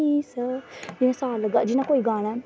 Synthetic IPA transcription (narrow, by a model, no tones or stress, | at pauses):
isəd͡ʒɪnãsaːlɡad͡ʒɪnãːkoːiːɡaːɽ̃aː